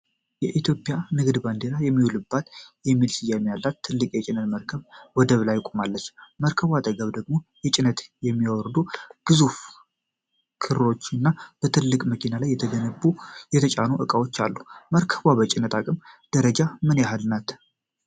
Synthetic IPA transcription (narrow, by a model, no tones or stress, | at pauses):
jɛʔit̪ʰjo̞pʼːjanɨɡd̪band̪eɾajɛmːiwulɨbːat̪jɛmːilsɨjːamːijalːat̪ʰːɨlːɨkʼjɛt͡ʃʼɪnət̪məɾkʰəβwɔd̪əβlajkʷʼumalːət͡ʃːməɾkʰəβwat̪ʼəɡəβd̪əɡmo̞jɛt͡ʃʼɪnət̪jɛmːijawɔɾd̪uɡ̥ɨzuf | kʰɨɾlo̞t͡ʃːɨnːab̥ət̪ʰɨlːɨkʼməkinalajːɛt̪ʰəɡənəbujɛt̪ʰət͡ʃʼanuʔɨkʼawo̞t͡ʃːa̰lːuməɾkʰəβabət͡ʃʼɪnːət̪ʰakʼɨmd̪̥əɾəd͡ʒamɨnjaɦalnat̪